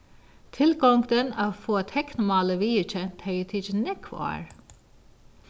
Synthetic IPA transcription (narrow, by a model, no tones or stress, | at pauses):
t̪ʰɪlɡɔŋɡd̪ənɑʋfoːt̪ʰɛknʊmɑːləʋiːət͡ʃət̪ʰɛət̪ʰit͡ʃnɛkʰʋɑ̰ːɹ